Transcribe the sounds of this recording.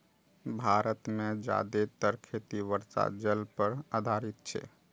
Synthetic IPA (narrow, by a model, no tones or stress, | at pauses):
bʱaɾət̪med͡ʒa̰d̪et̪əɾkʰet̪iʋəɾsa̰d͡ʒəlpəɾad̪ʱaɾit̪̚t͡ʃʰɛ̰